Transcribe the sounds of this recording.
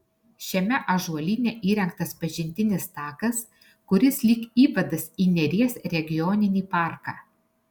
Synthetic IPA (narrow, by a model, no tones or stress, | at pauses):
ʃʲɛmʲɛʔɐʒuɔlʲiːnʲɛʔiːɾʲɛŋk̚t̪ɐspɐʒʲɪnʲt̪ʲɪnʲɪst̪ɑːkɐs | kʊɾʲɪslʲikiːʋɐd̪ɐsiːnʲɛɾʲiɛsɾʲɛɡʲɪjɔːnʲɪnʲiːpɑˑɾkɑː